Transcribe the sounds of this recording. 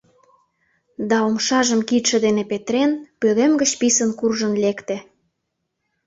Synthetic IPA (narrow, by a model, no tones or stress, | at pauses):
d̪ɑomʃɑʒəmkit̪ʃə̆d̪enepet̪ɾenpøɣemɡə̆t͡ɕpisənkurʒənlekt̪ĕ